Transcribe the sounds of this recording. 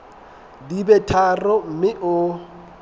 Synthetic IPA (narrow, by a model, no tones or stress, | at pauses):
dibɛtʰarɔm̩mɪʔʊ